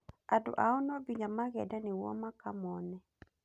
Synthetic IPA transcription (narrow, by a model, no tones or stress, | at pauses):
ado̰ʔaɔnɔbiɲamaɣɛdanewɔ̰makamɔnɛ